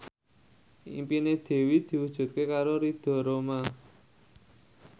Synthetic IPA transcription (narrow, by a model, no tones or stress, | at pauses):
ḭmpined̪̥e̤wid̪̥i̤wud̥ʒ̥ṳt̪̚kekaɾoɾid̪̥ɔ̤ɾoma